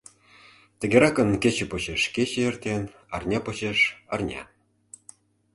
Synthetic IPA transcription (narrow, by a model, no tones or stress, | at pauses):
t̪ʲə̆ɡʲeɾɑkə̆nkʲet͡ɕĕpot͡ɕeʃket͡ɕĕert̪ʲen | ɑrnʲɑpot͡ɕeʃɑrnʲɑ̰